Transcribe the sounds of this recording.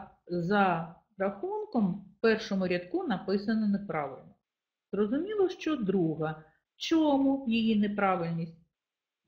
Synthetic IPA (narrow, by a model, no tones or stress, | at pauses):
zɐ | ɾɐxunkɔmpɛrʃɔmʊɾʲɐt̪kunɐpɪsɐnɔnepɾɑʋɪlʲnɔ | z̥rɔzʊmʲilˠɔʃt͡ʃɔd̪ɾuɦɐ | t͡ʃɔmujijinepɾɑʋɪlʲnʲisʲt̚ʲ